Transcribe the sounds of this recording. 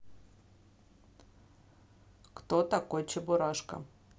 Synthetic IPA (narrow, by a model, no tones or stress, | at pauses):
kt̪ot̪akojt͡ɕɪbʊɾaʂkə̰